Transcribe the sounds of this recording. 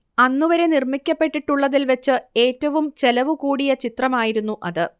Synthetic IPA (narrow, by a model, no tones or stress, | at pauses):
ɐnːuʋɐɾe̞nirmikʲːɐpːe̞ʈːiʈːuɭːɐðilʋɐt͡ɕːɨe̞ːtːɐʋumt͡ɕe̞lɐʋukuːɽijɐt͡ɕit̪rɐmaːjiɾunːuʔɐðɨ